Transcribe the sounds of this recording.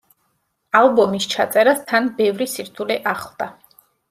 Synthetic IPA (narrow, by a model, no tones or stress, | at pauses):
alˠbɔmist͡ʃʰat̪sʼɛɾast̪ʰanbɛvɾisiɾt̪ʰuliʔaχlˠd̪a